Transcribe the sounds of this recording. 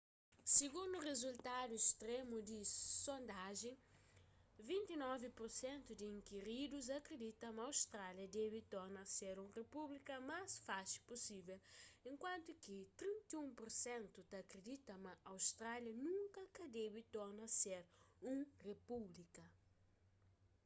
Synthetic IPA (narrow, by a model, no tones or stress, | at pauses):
siɡũnd̪uʁezult̪ad̪ueʃt̪ɾemud̪isõnd̪aʒẽ | vĩnt̪inɔvipuɾsẽnt̪ud̪iĩŋkiɾid̪uz̬ɐkɾed̪it̪ɐ̃mɐːwst̪ɾaljɐd̪ɛβit̪ɔɾnɐseɾũrepublikɐmasfaʃi̥pusivɛlẽŋkwãnt̪ukit̪ɾĩnt̪iũmpoɾsẽnt̪ut̪aːkɾed̪it̪ɐmɐawst̪ɾaljɐnũŋkɐkɐd̪ɛbit̪ɔɾnɐseɾũrepublikɐ